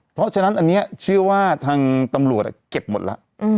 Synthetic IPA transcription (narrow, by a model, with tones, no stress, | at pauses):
pʰɾɔ˦˥ʔt͡ɕʰa˧na˦˥nʔa˧nːi˦˥a˨˩t͡ɕʰɯ˥˩ɐwaː˥˩t̪ʰaː˧ŋt̪a˧mɾu˨˩ət̚ʔa̰˨˩ke˨˩p̚mo˨˩t̪̚la˦˥ʔʔ